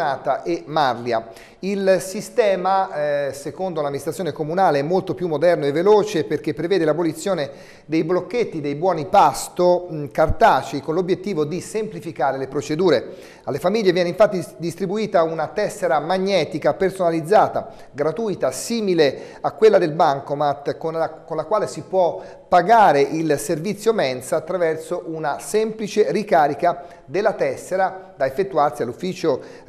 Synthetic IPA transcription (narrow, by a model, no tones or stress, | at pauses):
aːt̪aʔemarlja | ilsist̪ɛːmasekond̪olamːinist̪ɾat̪ːjonekomunaːleɛmːolt̪opjumːod̪ɛrnoevːeloːt͡ʃeperk̟epːɾevɛːd̪elabolit̪sːjoːne | d̪ejblokːet̪ːid̪ejbwɔːnipast̪okart̪aːt͡ʃikonlobjet̪ːiːvod̪isemplifikaːɾelepɾot͡ʃed̪uːɾe | alːefamiʎːevjɛːneiɱfat̪ːid̪ist̪ɾibuiːt̪aunat̪ɛsːeɾamaɲːɛːt̪ikapersonalid̪zːaːt̪a̰ | ɡɾat̪uːjt̪asiːmile | akːwelːad̪elbaŋkomat̪konkonlakwaːlesipwɔ | paɡaːɾeʔilservit̪sːjomɛnsaːt̪ːɾavɛrsoʔunasɛmplit͡ʃerikaːɾika | d̪elːat̪ɛsːeɾad̪aefːet̪ːuarsialːufːiːt͡ʃo